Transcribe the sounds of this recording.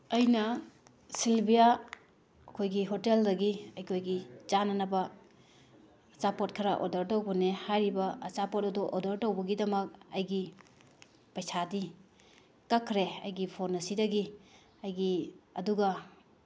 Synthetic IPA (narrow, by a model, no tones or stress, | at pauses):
ɐjnɐ | silbija | ɐkʰojɡiɦoteldɐɡiɐjkʰojɡit͡ʃanɐnɐbɐ | ɐt͡ʃapot̚kʰɐɾɐʔo̰dɐɾtowbonehajɾibɐɐt͡ʃapot̚ɐdoʔodɐɾtɐwbɐɡidɐmɐk̚ɐjɡi | pɐjsʰadi | kɐkʰːɾeɐ̰jɡipʰonɐsidɐɡi | ɐjɡiɐduɡɐ